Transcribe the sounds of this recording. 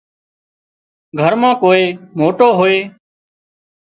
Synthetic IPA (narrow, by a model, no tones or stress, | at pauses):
ɡʱəɾmãːkoːeːmoːʈoːɦoːeː